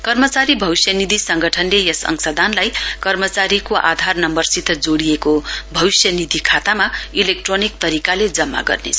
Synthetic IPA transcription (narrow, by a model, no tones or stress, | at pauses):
kʌrmʌt͡saɾibʱʌwisjʌnid̪ʱisʌŋɡʌʈʰʌnlejʌsʌ̰ŋsʌd̪ʱanlajkʌrmʌt͡saɾikoʔa̰d̪ʱarnʌmbʌrsit̪ʰːʌd͡zoɽijekobʱʌwisjʌnid̪ʱikʰat̪amailek̚ʈronik̚t̪ʌɾikaled͡zʌmːa̰ɡʌ̰rnḛt͡sʰ